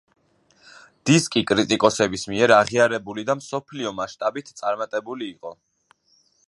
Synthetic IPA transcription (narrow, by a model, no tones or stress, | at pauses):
d̪̥iskʼikʼɾit̪ʼikʼɔsɛbismiɛɾaʁiaɾɛbulid̪amsɔpʰliɔmaʃt̪ʼabit̪ʰt̪sʼaɾmat̪ʼɛbuliːqʼɔ